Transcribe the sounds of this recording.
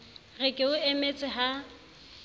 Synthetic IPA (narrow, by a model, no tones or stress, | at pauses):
ɣɛkʼɪʊemet͡sʼɪɦa